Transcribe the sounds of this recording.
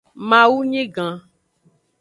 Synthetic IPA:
mã˨wu˦ɲẽ˦ɡã˨

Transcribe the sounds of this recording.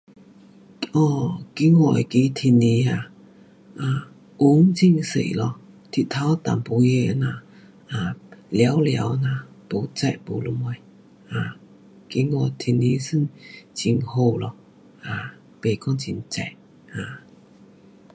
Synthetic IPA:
ʔɔ˧˩ki˧˦ŋɔ˧˨jki˧˦t̪ʰi˧˩ni˧˦a˧˩ | ʔa˧˨˩ | ʔu˦ŋt͡ɕi˧˨ŋsḛ˧˨jlɔ˧˩ | t̪ʰi˧t̪ʰa˧˦wt̪a̰˨mpu˧˦je˧˨˧na˧ | ʔa˨lja˧˦wlja̰˨˧˦wʔna˧˨ | po˨˦t͡sa˧˨ʔpo˨˩lo˧˦mɔ˧˨j | ʔa˧˨˩ | ki˧˦ŋɔ˧˩jt̪ʰi˧˩ni˧˦sɨ˥˨nt͡ɕi˧˨ŋho˧˩lɔ˧˩ | a˧˨ | pe˨˩kɔ˧˦ŋt͡ɕi˧˩ŋt͡sa̰˧˨ʔ | a˨˩

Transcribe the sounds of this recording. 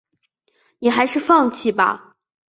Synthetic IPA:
ni˨˩xa˧˥ɪʂɻ̩˥˧fɑ˥˧ŋt͡ɕʰi˥˩bɐ̰˧˩

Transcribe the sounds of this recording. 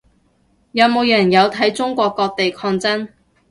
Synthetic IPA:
jɐ˨˧wmo˨˧wjɛː˨˩jnjɐ˨˧wt̪ʰɐ˨˥jt͡sʊ˥ŋkʷɔː˧kːɔː˧k̚t̪e˨jkʰɔː˧ŋt͡sɐ˥n

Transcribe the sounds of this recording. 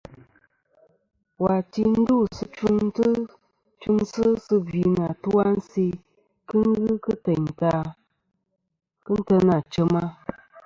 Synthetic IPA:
wa˨ti˧n̩˦du˦˨sɨ˧t͡ʃu˦ntɨ˦ | t͡ʃu˦nsɨ˦sɨ˧vi˨na˨tu˦wa˦n̩˦si˦ | kɨ˦ŋ˦ɣɨ˦kɨ˦tɛ˨ɲta˦ | kɨ˦n̩˦tə˧na˨t͡ʃə˦ma˦

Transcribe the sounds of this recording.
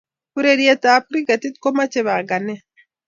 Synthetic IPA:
pu˦ɾe˦˨ɾie˦ta˨˦pu˦ɾi˦ka˨ti˦t̚ko˦ma˦t͡ʃe˨βa˨ɡa˨nɛ˦

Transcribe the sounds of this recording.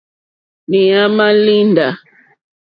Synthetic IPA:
ni˨a˦ma˦li˦nda˨

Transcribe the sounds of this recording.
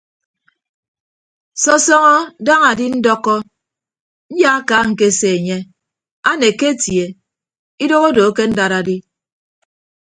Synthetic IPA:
sɔ˦sɔ˦ŋɔ˦da˦ŋa˨di˦n̩˦dɔ˦kːɔ˦ | n̩˦ja˦a˦ka˦ŋ̩˨ke˦˨se˨e˨ɲe˦ | a˦ne˨ke˦tje˨ | i˦do˦ɣo˦do˨˦ke˦n̩˦da˨ɾa˨di˦

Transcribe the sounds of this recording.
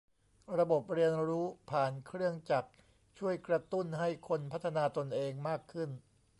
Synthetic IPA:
ɾa˧bo˨˩p̚ɾi˧ənɾuː˦˥pʰaː˨˩nkʰɾɯ˥˩əŋt͡ɕa˨˩k̚ | t͡ɕʰu˥˩əjkɾa˧t̪u˥˩nɦa˥˩jkʰo˧npʰa˦˥t̪ʰːa˧naː˧t̪o˧nʔeː˧ŋmaː˥˩kʰːɯ˥˩n

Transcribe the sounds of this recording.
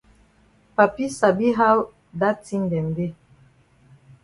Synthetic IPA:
pa˨pi˦sa˨bi˦ɦa˦w | da˦ti˦n˨dɛ˨m˨de˦

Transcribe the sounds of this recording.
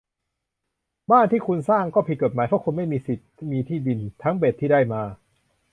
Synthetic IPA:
baː˥˩nt̪ʰiː˥˩kʰu˧nsaː˥˩ŋkɔː˥˩pʰi˨˩t̪̚ko˨˩t̪̚maː˨˦jpʰɔ˦˥˩kʰu˧nma˥˩jmiː˧si˨˩t̪̚miː˧t̪ʰiː˥˩di˧nt̪ʰa˦˥ŋbe˨˩t̪ʰːiː˥˩daː˥˩jmaː˧

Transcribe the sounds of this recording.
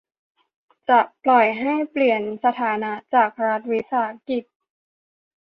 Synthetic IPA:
t͡ɕa˨˩ʔplɔ˨˩jɦa˥˩jpli˨˩ənsa˧t̪ʰaː˩˦na˦˥ʔt͡ɕaː˨˩k̚ɾa˦˥t̪̚wi˦˥saː˩˦a˦ki˨˩t̪̚

